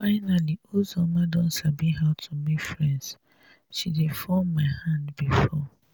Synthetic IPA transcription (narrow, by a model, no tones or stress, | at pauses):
faɪnaliozɔmadɔ̃nsabiɦatʰumifɹɛ̃nds | ʃidefɔmmaɪhãndbifɔ